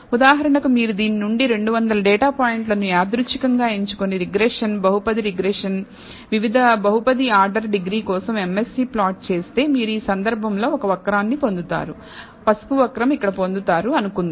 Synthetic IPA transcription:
ud̪aːɦɐɾɐɳɐkumiːɾud̪iːninuɳɖiɾe̞ɳɖuʋɐnd̪ɐlɐɖɛːʈaːpaːjiɳʈlɐnuaːd̪ɾuʂikɐŋɡaːeɲt͡ʃu̥koniɾiɡɾeːʂɐnbɐɦupɐd̪iɾiɡɾeːʂɐn | ʋiʋid̪ʱɐbɐɦupɐd̪iaːɾɖɐɾɖiɡɾiːkɔːsɐme̞mesiːplaːʈ̚t͡ʃe̞ːst̪e̞ːmiːɾuiːsɐnd̪ɐɾbʱɐmlo̞ːɔkɐʋɐkɾaːnːipo̞nd̪ut̪a̰ːɾu | pɐsu̥puʋɐkɾɐmikːɐɽɐpo̞nd̪ut̪aːɾuɐnukund̪ii

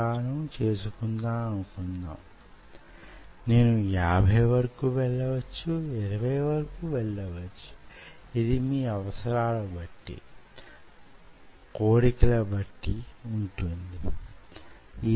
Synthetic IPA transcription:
aːnɐmt͡ʃe̞ːsukund̪aːɐnukunːa̰ːm | ne̞ːnujaːbʱɐjʋɐɾɐkuːʋɛɭːɐʋɐt͡ʃːuiɾɐʋɐjʋɐɾɐkuːʋɛɭːɐʋɐt͡ʃːu̥ | id̪imiːɐʋɐsɐɾaːlɐbɐʈːḭ | koːɽikɐlɐbɐʈːiuɳʈund̪i | iː

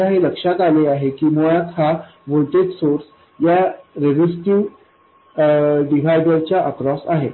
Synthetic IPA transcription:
aɦeləkʂakaleaɦekiːmuɭat̪haʋolʈeɖsoɾs | jaɾed͡ʑisʈiʋ | ɖiʋʱajɖəɾt͡ɕjaʔəkɾɔsaɦe

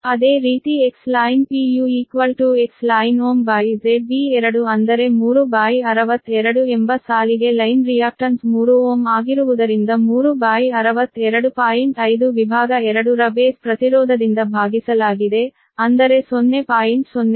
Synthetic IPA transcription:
ɐd̪e̞ːɾiːt̪ieksslaːjnpiːjuiːkʋɐlʈuekslaːjnoːmbaːjd͡ʒebiɛɾɐɽuɐnd̪ɐɾe̞muːɾubaːjiɐɾɐʋɐt̪ːɛɾɐɽuembɐsaːliɡe̞lɐjnɾijaːk̚ʈɐnsmuːɾuoːmaːɡiɾuʋud̪ɐɾind̪ɐmuːɾubaːjiɐɾɐʋɐt̪ːɛɾɐɽupaːiɳʈɐjd̪uʋibʱaːɡɐɛɾɐɽuɾɐbeːspɾɐt̪iɾɔːd̪ʱɐd̪ind̪ɐbʱaːɡisɐlaːɡid̪e̞ | ɐnd̪ɐɾe̞sonːe̞paːjiɳʈsonːe

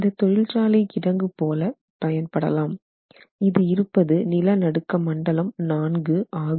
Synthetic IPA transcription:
ɪnd̪ɐt̪ːɔɻɪlt͡ʃaːlɪkɪɽɐŋɡɯpoːlɐ | pɐjɐnpɐɽɐ̰laːm | ɪðɯɪɾɯpːɐðɯnɪlɐnɐɽɯkːɐmɐɳɖɐlɐmnaːnɡɯaːɣɯ

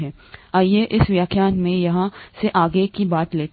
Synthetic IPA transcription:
ɦɛː | aːjeʔɪsʋjaːkʰjaːnmẽjɐɦãseʔaːɡekibaːt̪leː

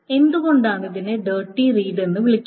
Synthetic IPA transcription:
e̞nd̪uɣo̞ɳɖaːɳɨðineɖeːʈːiriːɖe̞nːɨʋiɭikʲː

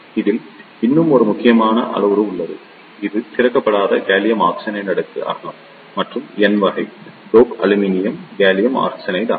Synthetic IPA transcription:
ɪðɪl | ɪnːɯmɔɾɯmʊkːɪjɐmaːnɐ̰ʔɐ̰ɭɐʋɯɾɯʊɭːɐðɯ̰ | ɪðɯt̪ɪrɐkːɐpːɐɽaːðɐɡeːlɪjɐma̰ːksɐnɐɪnɐɽɐt̪ːɯʔa̰ːɣɐmː | ɐʈrɯmɛnʋɐɣɐɪɖoːkɐlɯminɪjɐmɡeːlɪjɐma̰ːksɐnɐɪða̰ː

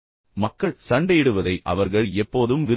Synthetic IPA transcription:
mɐkːɐɭsɐɳɖɐjɪɽɯʋɐðɐɪʔɐ̰ʋɐɾɣɐɭɛpːoːðɯmʋɪ

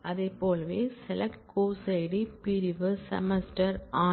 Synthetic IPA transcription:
ɐðepːoːlɐʋeːsɛlɐkkoːsɐɪɽipɪɾɪʋɯsɐ̰mɛsʈɐɾaː

